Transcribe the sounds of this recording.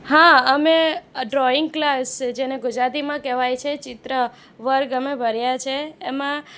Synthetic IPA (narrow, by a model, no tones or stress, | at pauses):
ɦãəmeɖɾɔɪŋɡ̚klasd͡ʒeneɡʊd͡ʒɾat̪imãkɛʋajt͡ʃʰet͡ʃɪt̪ɾə | ʋəɾɡəmebʱəɾjat͡ʃʰeːmã